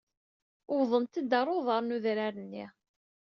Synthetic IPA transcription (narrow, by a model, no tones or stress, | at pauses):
ʊvðˤənt̪əd̪ɑrˤoðˤɑɾˤnuðɾaɾənːi